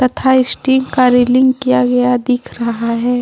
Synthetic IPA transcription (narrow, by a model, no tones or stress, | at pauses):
t̪ɐt̪ʰaɪsʈiːŋkaɾeːlɪ̃ŋɡkijaɡɐjad̪ɪkʰɾɐɦaɦɛː